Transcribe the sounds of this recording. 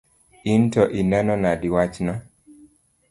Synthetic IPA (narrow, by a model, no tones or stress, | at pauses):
intɔʔinɛnɔnadiwat͡ʃnɔ